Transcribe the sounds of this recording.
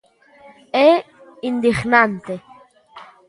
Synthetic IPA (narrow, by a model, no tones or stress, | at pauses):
e | ind̪iχnant̪e